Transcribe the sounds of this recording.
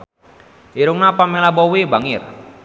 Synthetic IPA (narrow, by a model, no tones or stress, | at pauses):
iɾuŋnapamilabɔwibaŋɪr